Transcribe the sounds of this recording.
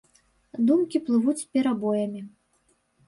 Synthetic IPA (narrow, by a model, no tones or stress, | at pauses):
d̪umkʲiplˠɨvut͡sʲpʲɛɾabɔjɐmʲi